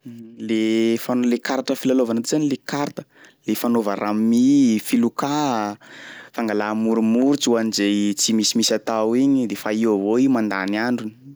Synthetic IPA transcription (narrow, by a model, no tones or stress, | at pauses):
lefanlekaɾaʈ͡ʂəfilalovanat̪izanilekaɾt̪ə̥ | lefanovarammifiluka | faŋɡalamuɾumuɾut͡suanizejt͡simisimisat̪awiɲid̪efaiwəvoiumand̪aniaɳɖ͡ʐuni